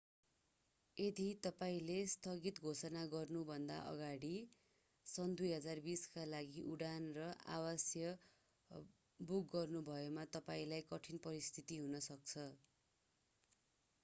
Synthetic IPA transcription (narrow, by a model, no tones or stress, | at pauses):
ed̪it̪ʌpaĩlest̪ʌɡit̪ɡʱosʌnaɡʌrnubʱʌnd̪a̰ʔʌ̰ɡaɽi | sʌnd̪ujɦʌd͡zarbiskalaɡiʔuɽanrʌʔa̰wʌsjʌ | buk̚ɡʌrnubʱʌemat̪ʌpaĩlajkʌʈʰinpʌɾist̪ʰit̪iɦunʌsʌk̚t͡sʰʌ